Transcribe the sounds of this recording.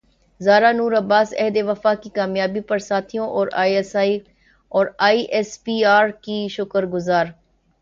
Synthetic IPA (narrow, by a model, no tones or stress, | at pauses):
zaːɾaːnuːɾəbaːsɛ̰ːd̪eːʋəfaːkikaːmjaːbiːpəɾsaːt̪ʰijõʔɔːɾaːiɛːsaːiː | ɔːɾaːiːʔɛːspiːaːɾkiːʃʊkəɾɡʊzaːɾ